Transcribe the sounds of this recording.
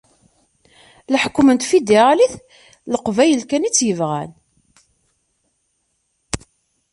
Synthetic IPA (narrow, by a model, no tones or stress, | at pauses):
lħkːmənt̪fid̪iʁæliθ | ləqvæjəlkænit͡sːjəvʁæ̰n